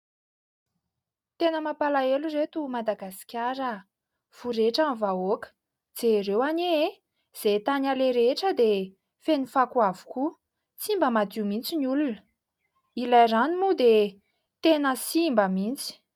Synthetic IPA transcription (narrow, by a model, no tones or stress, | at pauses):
t̪enəmapalaeluret̪umad̪aɡasi̥kʲaɾə | v̥uɾeʈ͡ʂanvaokə̥ | d͡zerewanee | z̥et̪analeɾeʈ͡ʂəd̪e | fenifakuavu̥ku | t͡simbəmad̪umint͡sinulunə | ilajranimud̪e | t̪enəsimbəmint͡si̥